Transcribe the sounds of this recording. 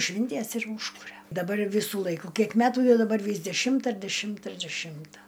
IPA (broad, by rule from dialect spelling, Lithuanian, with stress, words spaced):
ˈʃʲʋʲɪnʲtʲiɛs ɪr ˈuːʃkʊrʲɛ dɐˈbɐr ˈʋʲɪsuː ˈlˠɐɪkʊ ˈkʲiɛk ˈmʲæːtuː dɐˈbɐr ˈʋʲiːs dʲɛˈʃʲɪmtɐ ɪr dʲɛˈʃʲɪmtɐ ɪr dʲɛˈʃʲɪmtɐ